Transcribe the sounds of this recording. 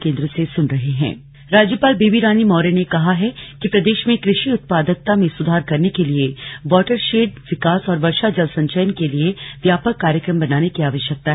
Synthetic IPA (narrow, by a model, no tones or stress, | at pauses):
kẽːnd̪ɾəsesʊnɾɐɦeɦɛ̰̃ː | ɾaːd͡ʒjəpaːlbeːbiɾaːnimɔːɾenekɐɦaɦɛkipɾɐd̪eːʃmẽkɾɪʃiʊt̪̚paːd̪ək̚t̪amẽsʊd̪ʱaːɾkɐɾnekelieʋɔːʈəɾʃeːɖ̚ʋɪkaːsɔːɾʋɐɾʃad͡ʒɐlsɐ̃ɲt͡ʃəjənkelieʋjaːpəkːaːɾjəkɾəmbɐnaːnekiaːʋəʃjək̚t̪aɦ